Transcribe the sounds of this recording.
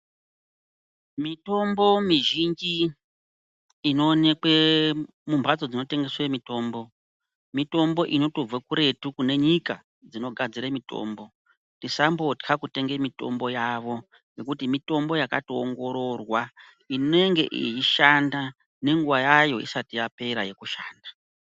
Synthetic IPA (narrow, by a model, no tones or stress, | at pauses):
mito̞mbo̞miʒind͡ʒi | no̞ːne̞kwe | mumbʱad͡zo̞d͡zino̞te̞ŋɡe̞swemito̞ːmbo̞ | mito̞mbo̞ʔino̞tob͡vakuɾe̞tukune̞ɲika | d͡zino̞ɡʱad͡ziɾemito̞̰ːmbo̞ | ntisambo̞tkʰakute̞ŋɡe̞mito̞̰mbo̞jaʋo̞ | je̞kutimito̞mbo̞jaka̰tooŋɡo̞ɾorwa | inoe̞ŋɡe̞̰ʔḭjiʃanda | ne̞ŋɡuʋajajo̞ḭsatijape̞ɾaje̞kuʃaːnda